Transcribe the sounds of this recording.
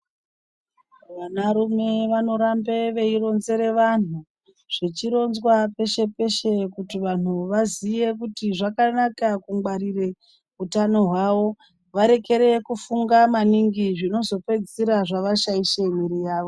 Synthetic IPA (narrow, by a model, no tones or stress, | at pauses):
ʋanaɾume̞ʋano̞ɾambeʋe̞iro̞nze̞ɾe̞ʋan̤u | ʐ̥et͡ʃiɾo̞nzwape̞ʃe̞pe̞ʃe̞kutiʋan̤uʋazije̞kutiʐakanakakuŋɡ͡baɾire | utano̞ɦwaʋo̞ | ʋaɾe̞ke̞ɾe̞kufuŋɡamaniŋɡiʐino̞zo̞pe̞d͡ziɾaʐaʋaʃaiʃemiɾijaːʋo̞